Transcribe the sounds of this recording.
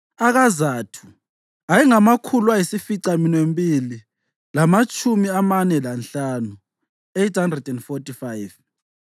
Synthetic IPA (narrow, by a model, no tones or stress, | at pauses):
aɣazaːtʰu̥ | ajiŋamakʰulwajisifiǀaminwembʱʼili | lamat͡ʃʼʰumiamanɛlanɬanu | ejtʰhandrɛdɛndfotʼifajv